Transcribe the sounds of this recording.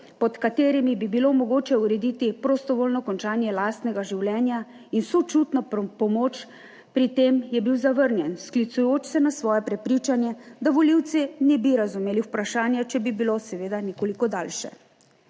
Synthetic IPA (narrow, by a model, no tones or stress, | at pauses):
pɔt̪kat̪eːɾimibibilomɔɡoːt͡ʃɛuɾɛd̪iːt̪ipɾost̪ɔʋoːlnɔkɔnt͡ʃaːnjɛlaːst̪nɛɡaʒiwlɛːnja | insot͡ʃut̪nɔpɔmoːt͡ʃ | pɾit̪emjɛbiwzaʋəɾnjɛnsklit̪sujoːt͡ʃsɛnasʋɔːjɛpɾɛpɾiːt͡ʃanjɛd̪aʋɔliwt̪sɛnɛbiɾazumeːliwpɾaʃaːnjat͡ʃɛbibilosɛʋeːd̪anɛkoːlikɔd̪aːlʃɛ̰